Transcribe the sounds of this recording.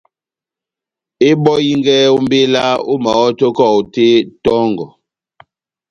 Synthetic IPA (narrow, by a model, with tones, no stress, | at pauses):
e˦bɔ˦ji˦ŋɡɛ˦u˦m˦be˦la˦u˦ma˨wɔ˦to˦kɔ˦˨u˨te˦tɔ˦ŋɡɔ˨